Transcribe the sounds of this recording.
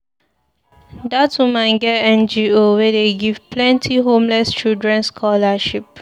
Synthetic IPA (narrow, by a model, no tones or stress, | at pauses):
datumãɪɡɛɛ̃nd͡ʒiowɛdeɡiv̥plɛ̃ntʰiɦõmlɛst͡ʃildɹɛ̃nskʰɔlaʃip̚